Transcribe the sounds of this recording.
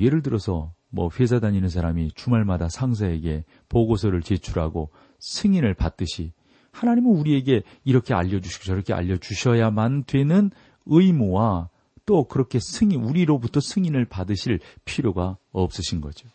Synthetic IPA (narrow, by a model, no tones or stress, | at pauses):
je̞ɾɯɭt̬ɯɾʌsʰʌ | mwʌ̰ɸwe̞sʰadaɲinɯnsʰaɾamit͡ɕumaɭmadasʰaŋs̬ʰae̞ɡe̞ | poɡos̬ʰʌɾɯɭt͡ɕe̞t͡ɕʰuɾɦaɡo | sʰɯŋinɯɭpat̚t͈ɯɕʰi | hanaɲimɯnuɾie̞ɡe̞ | iɾʌkʰe̞a̰ʎːʌd͡ʑuɕʰi̥ɡoɕʰʌɾʌkʰea̰ʎːʌt͡ɕuɕʰʌjamandwe̞nɯn | ɯimuwa | t͈okɯɾʌkʰe̞sʰɯŋinuɾiɾobutʰʌsʰɯŋinɯɭpadɯɕʰiɭpʰiɾjoɡaʌp̚s͈ɯɕʰinɡʌ̰d͡ʑo